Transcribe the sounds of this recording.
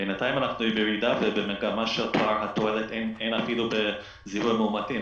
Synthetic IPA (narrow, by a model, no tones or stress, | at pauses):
benat̪ajimanaχnuibeɹid̪avebemeɡamaʃelpoaɹɦat̪oelet̪enejnafilube | zihudmeumat̪im